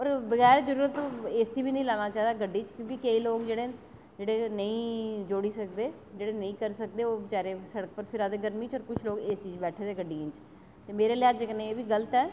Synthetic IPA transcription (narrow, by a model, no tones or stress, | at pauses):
ɔːɾbəɡɛːɾzəɾuːɾət̪õːeːsiːbiːnəĩːlaːnaːt͡ʃaːɦed̪aːɡəɖiːt͡ʃkjõːkɪkəiːloːkd͡ʒeːɽeː | d͡ʒeːɽeːnəĩːd͡ʒoːɽiːsək̚d̪eː | d͡ʒeːɽeːnəĩːkəɾsəkd̪eːoːt͡ʃaːɾeːsəɽək̚pəɾpʰɪɾaːd̪eːɡəɾmiːt͡ʃɔːɾkʊt͡ʃʰloːɡeːsiːt͡ʃbɛːʈʰeːd̪eːɡəɖiːnt͡ʃ | t̪eːmeːɾeːljaːd͡ʒkəneːeːbiːɡələt̪ɛː